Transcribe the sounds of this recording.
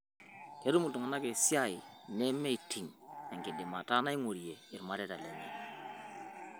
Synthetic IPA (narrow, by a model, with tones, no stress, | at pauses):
ke˦ɾu˦mu˨tu˨ŋa˨na˦ke˨si˦a˦i˨nɛ˦me˦i˨tʰi˨ŋa˨ŋki˨di˨ma˨ta˦na˦i˦ŋo˨ɾje˨i˨ɾma˦ɾe˦ta˨le˨me˨